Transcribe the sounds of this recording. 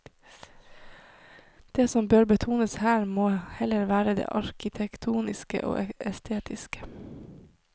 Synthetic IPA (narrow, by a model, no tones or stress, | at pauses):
d̪̥eːsɔmbøːɾbət̪ʰuːnəshæːɾmoːhɛləɾʋæːɾəd̪ḛːʔɑɾkʰɪt̪ʰɛkt̪ʰuːnɪskə̰ʔo̰ːʔɛɛst̪ʰeːt̪ʰɪskə̥